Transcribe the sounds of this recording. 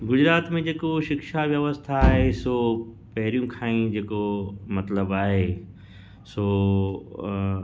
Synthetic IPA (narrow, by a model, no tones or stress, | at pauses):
ɡʊd͡ʑɾaːt̪mẽd͡ʑeːkoʃɪkʃaʋjəʋəst̪ʰaːɦesoː | pɐɦɪɾijũkʰãːĩd͡ʑeːkomɐt̪ləbaːɦe | soː